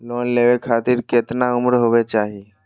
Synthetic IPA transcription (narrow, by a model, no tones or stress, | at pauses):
lonleʋekʰat̪iːɾket̪naumɾəɦoʋet͡ɕaɦi